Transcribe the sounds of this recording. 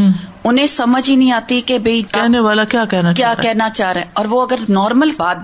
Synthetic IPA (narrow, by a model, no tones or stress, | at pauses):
ʊnẽsɐməd͡ʒinɐɦĩaːt̪ikebeikɛɦneʋaːlakjaːkɛɦnakjaːɾ̰kɛɦnat͡ʃaːɾɛɔːɾʋoɐɡəɾnɔːɾməlbaːd̪̚